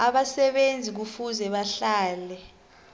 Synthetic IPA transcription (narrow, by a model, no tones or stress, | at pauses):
aɓasɛɓend͡zʱik̬ufuzɛɓaɬaːlɛ